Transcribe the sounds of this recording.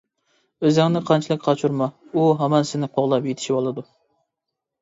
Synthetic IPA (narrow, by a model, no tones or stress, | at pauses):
øzɪŋnɪqʰɑnt͡ʃʰilˠɨk̚ʲqʰɑt͡ʃʰuɾmɑuɦɛmɑnsɪnɪqʰoʁlˠɑpjet̪ʰɪ̥ʃibolˠɨd̪u